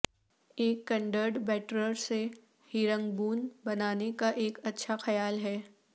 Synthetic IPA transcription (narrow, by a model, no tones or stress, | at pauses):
eːkːɐ̃ɳɖəɾɖbɛːʈɾəɾse | hiːɾə̃ŋɡbuːnbɐnaːnekaʔeːkɐtːʃʰaxɐjaːlɦɛː